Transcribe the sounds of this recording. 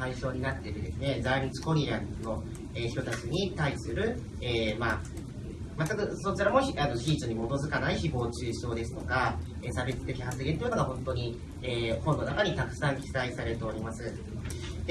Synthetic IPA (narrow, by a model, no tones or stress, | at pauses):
aiɕo̞ːɲ̟inat̪ːe̞ɾɯ̟d̪e̞sɨne̞d͡zaiĩt͡sɨ̥ko̞ɾʲiɾãnno̞ | eːçt̪o̞t̪at͡sɨɲ̟it̪aisɨɾɯ̟ | eːma | mat̪ːakɯ̟so̞t͡ɕiɾamo̞çanoɕiːt͡sɨɲ̟imo̞t̪o̞zɨkanaiçibo̞ːt͡ɕɨːɕo̞ːd̪e̞sɨ̥t̪o̞ka | eːsabe̞t͡sɨ̥t̪e̞kʲiɦasɨɡʲet̪oijɯno̞ɡaɦõ̞nt̪o̞ɲ̟i | eːhõ̞nːo̞nakaɲ̟it̪akɯ̟̥sãŋkʲi̥saisaɾe̞ɾɯ̟t̪e̞oɾʲimasɨ | d̪e